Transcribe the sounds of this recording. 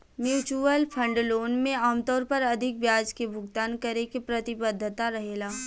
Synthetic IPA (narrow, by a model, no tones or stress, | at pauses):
mjuːt͡ʃuəlpʰə̃ɳɖloːnmẽaːmt̪ɔːɾpɐɾɐd̪ʱɪk̚bjaːd͡ʒkebʱʊɡt̪aːnkɐɾekepɾɐt̪ɪbəd̪ʱːət̪aɾɐɦeːlaː